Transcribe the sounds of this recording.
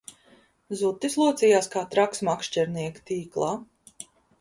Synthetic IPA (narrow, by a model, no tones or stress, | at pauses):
zut̪ːislˠuːt̪sʲijaːskaːt̪ɾaksmakʃt͡ʃɛɾniɛkt̪iːklˠaː